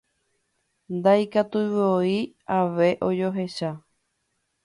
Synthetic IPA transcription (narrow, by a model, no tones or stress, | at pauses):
nd̪ajkat̪uβɨoi | aʋe̞ʔod͡ʒo̞ɦe̞ʃa